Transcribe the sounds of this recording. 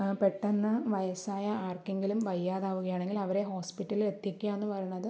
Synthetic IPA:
peʈːenːɐʋɐjɐsaːjɐaːrkeŋɡilumʋɐjːaːðaːʋuɣɐjaːɳe̞ŋɡilɐʋɐɾe̞ɦo̞ːspiʈːɐliet̪ːjɐkʲːujaenːɨpɐrɐjunːɐðɨ

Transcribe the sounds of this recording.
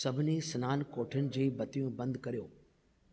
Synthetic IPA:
sɐbʱɪnisɐnaːnkoːʈʰənɪ̆d͡ʑiːbɐt̪ijũbɐ̃nd̪kɐɾijoː

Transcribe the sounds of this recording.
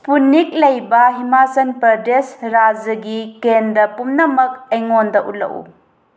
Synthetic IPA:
punik̚lɐjbɐɦimasɐnpɐɾdesɾad͡ʒɐɡikendɐpumnɐmɐk̚ɐjŋondɐʔut̚lɐ̰ʔṵ

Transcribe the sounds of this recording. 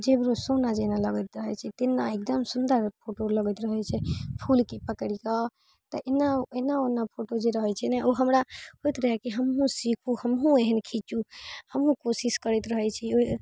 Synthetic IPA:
d͡ʒebɾosonad͡ʒenaləɡət̪ɾəɦət͡ʃʰɛt̪enːaek̚d̪əmsund̪əɾpʰoʈoləɡət̪ɾəɦɛt͡ʃʰɛpʰulkipəkɽika | t̪əʔenːaenaonːapʰoʈod͡ʒeɾəɦɛt͡ʃʰɛnɛʔoɦəmɾaɦojt̪ɾəɦɛkiɦəmɦũsikʰuhəmɦũeɦənkʰit͡ʃuhəmɦũkosiskəɾɛt̪ɾəɦɛt͡ʃʰɛo

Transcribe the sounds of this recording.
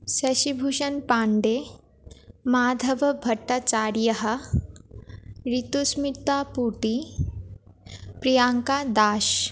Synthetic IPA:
sɐʃibʱuʃɐnpaːɳɖe | maːd̪ʱɐʋɐbʱɐʈːat͡ʃaːɾjɐɦɐ̆ | ɾit̪usmit̪aːpuʈi | pɾijaːŋkad̪aːʃ

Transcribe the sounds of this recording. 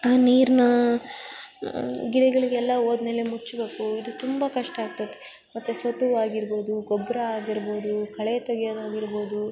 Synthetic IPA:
aːniːɾnɐ | ɡiɽɛɡɐɭiɡeɛlːɐoːd̪me̞ːlemut͡ʃːbe̞ːkuid̪ut̪umbɐkɐʂʈɐaːɡ̚t̪ɐt̪ːe̥ | mɐt̪ːusɐt̪ːuʋaːɡiɾbo̞ːd̪uɡɔbɾɐaːɡiɾbo̞ːd̪ukʰɐɭet̪oɡjod̪aːɡiɾbo̞ːd̪u

